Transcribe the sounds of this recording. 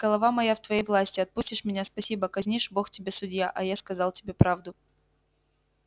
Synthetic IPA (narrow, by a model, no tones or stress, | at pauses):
ɡ̥əlˠɐvamɐjaft̪vɐjejvlˠasʲtʲɪɐt̪̚pusʲtʲɪʂmʲɪnʲaspɐsʲibəkɐzʲnʲiʂbo̞xtʲɪbʲe̞sʊdʲjaʔɐjaskɐzɑlˠtʲɪbʲepɾavd̪ʊ